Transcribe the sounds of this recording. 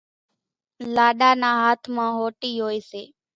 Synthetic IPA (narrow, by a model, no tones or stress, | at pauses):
laːɗaːnaːɦaːt̪ʰmãːɦoːʈiːɦoːeːseː